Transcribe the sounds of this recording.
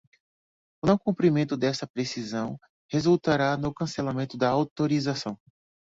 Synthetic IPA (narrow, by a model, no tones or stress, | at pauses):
ʊnɐ̃w̃kũmpɾimẽnt̪ʊd̪ɛst̪ɐpɾesizɐ̃w̃ | hezuwt̪aɾanʊkɐ̃selamẽnt̪ʊd̪ɐawt̪oɾizasɐ̃w̃